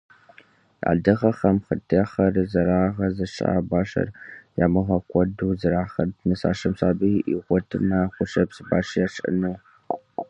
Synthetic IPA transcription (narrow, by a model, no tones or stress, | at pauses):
a̰ːdɨʁɐχɐmχətʰjɛχɐrzɐɾaːʁɐzɐʃʼa̰ːbaːʃɐ̰rja̰ːmɨʁɐkʷʰʼɔduːzɨɾaːχɐtnɨsa̰ːʃɐmsaːbiːʔiʁʷɔtʰɨmaχʷʊʂɐpsɨba̰ːʂjaːʂʼɨ̰nuː